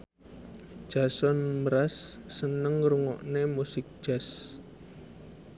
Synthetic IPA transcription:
d̥ʒ̥asɔnməɾasːənəŋɾuŋɔ̰ʔnemusɪk̚d̥ʒ̥as

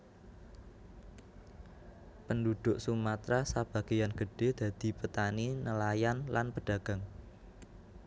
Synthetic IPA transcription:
pəndud̪̥ʊʔsumat̪ɾasab̥ä̤ɡ̥e̤janɡ̥ə̤ɖ̥e̤d̪̥a̤d̪̥i̤pət̪aninəlajanlanpəɖ̥ä̤ɡ̥a̤ŋ

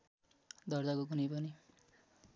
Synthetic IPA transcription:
d̪ʌrd̪akok̬unʌjpʌni

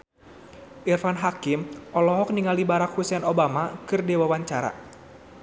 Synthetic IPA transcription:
ʔirfanɦakimʔɔlɔɦɔk̚niŋalibaɾakhusɛnobamakɨrdɛwawaɲt͡ʃaɾa̰

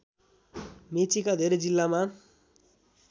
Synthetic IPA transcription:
met͡sikad̪ʱeɾed͡zilːama

